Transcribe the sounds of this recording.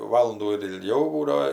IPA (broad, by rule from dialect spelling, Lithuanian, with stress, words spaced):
ˈʋɑːlˠʊnduː ɪr ɪlʲˈɡʲɛʊ ˈbuːdɐoː